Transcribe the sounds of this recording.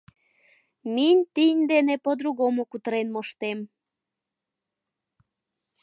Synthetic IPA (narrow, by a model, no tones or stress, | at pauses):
minʲt̪inʲd̪enepod̪ɾuɣomokut̪əɾenmoʃt̪em